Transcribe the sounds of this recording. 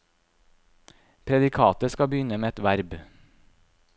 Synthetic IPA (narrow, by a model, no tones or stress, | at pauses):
pʰɾɛd̪ɪkʰɑːt̪əskɑbəjʏnəmeːɛt̪ʋæɾb